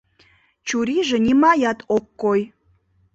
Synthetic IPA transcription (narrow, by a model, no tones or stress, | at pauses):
t͡ɕuɾiʒĕnʲimɑjɑt̪okːoj